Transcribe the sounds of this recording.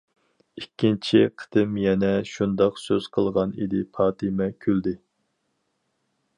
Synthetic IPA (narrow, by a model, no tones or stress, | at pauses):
ikʲʰːint͡ʃʰiqʰə̥t̪ɨmjɛnɛʃund̪ɑqsøz̥qʰəlˠʁɑnḭd̪ɪpʰɑːt̪ʰɨmɛkʲʰyld̪ɪ